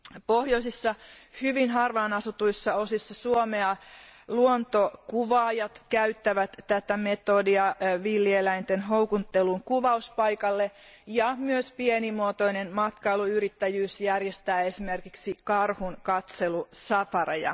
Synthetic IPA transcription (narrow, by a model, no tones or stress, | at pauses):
pohjosisːɑhyʋinɦɑrʋɑːnɑsut̪uisːɑosisːɑsuomeɑluont̪okuʋɑːjɑt̪kæyt̪ːæʋæt̪tæt̪æmet̪odiɑʋilːielæint̪enɦoukunt̪ːeluŋkuʋɑuspɑikɑlːejɑmyøspienimuot̪oinenmɑt̪kɑiluyrit̪ːæjyːsjærjest̪æːesimerkiksikɑrhunkɑt̪selusɑfɑrɑjɑ̰